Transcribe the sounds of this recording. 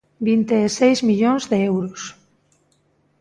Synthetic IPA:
bint̪eːsejzmiʎõnzðeewɾos

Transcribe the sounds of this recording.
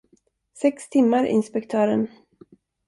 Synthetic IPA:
sɛkst̪ʰɪmːaɾɪ̰nspɛkt̪ʰœːɾən

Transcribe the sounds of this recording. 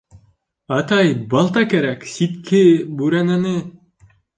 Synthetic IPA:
ɑt̪ɑjbɑlˠt̪ɑkæɾæksit̪kʰɘbʉɾænænɘ

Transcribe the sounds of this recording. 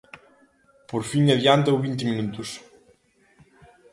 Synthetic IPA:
poɾfiŋɐðjant̪̬ɐwβint̪emĩnut̪us

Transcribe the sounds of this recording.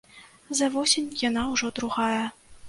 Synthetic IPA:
zɐvɔsʲenʲjanawʐɔd̪ɾuɣajɐ

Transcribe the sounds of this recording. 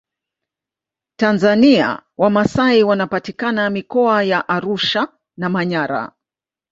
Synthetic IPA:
tanzania̰wamasaiwanapatikanamikɔajaʔaɾuʃa | namaɲaɾa̰

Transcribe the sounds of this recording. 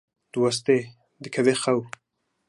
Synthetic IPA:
d̪̥əwas̬t̪e | d̪əkʰavexaw

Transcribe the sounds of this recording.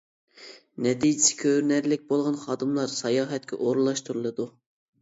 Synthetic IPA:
nɛt̪ʰid͡ʒɪsɪ̥kʲʰøɾnæɾlɪk̚ʲbolˠʁɑnχɑːd̪ɨmlˠɑɾsɑjɑːɦɛt̪̚kʲʰɛ̰ʔoɾlˠɑʃt̪uɾulˠɨd̪u

